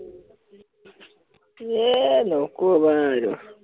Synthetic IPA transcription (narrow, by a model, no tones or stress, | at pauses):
jenokuoβaɾo